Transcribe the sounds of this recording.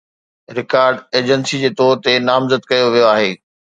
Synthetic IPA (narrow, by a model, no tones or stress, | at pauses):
ɾɪkaːɾɖeːd͡ʑənsid͡ʑeːt̪ɔːɾt̪enaːmzəd̪kɐjoʋijoaːɦeː